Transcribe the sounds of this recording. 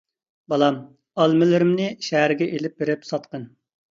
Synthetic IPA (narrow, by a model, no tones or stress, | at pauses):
bɑlˠɑm | ɑlˠmɪlɪɾɪmnɪʃæɦæɾɪɡʲɛʔelɪp̚beɾɪpsɑt̪̚qən